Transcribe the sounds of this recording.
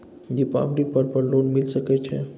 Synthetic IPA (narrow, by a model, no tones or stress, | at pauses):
dipa̰blik̚pəɾpəɾlonmɪlsəket͡ʃʰḛ